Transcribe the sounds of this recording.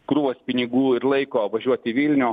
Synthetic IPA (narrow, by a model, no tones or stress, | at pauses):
kɾuʋoːspʲɪnʲɪɡuːɪɾlˠɐɪkoːʋɐʒʲuɔt̪ʲɪʋʲilʲnʲʊː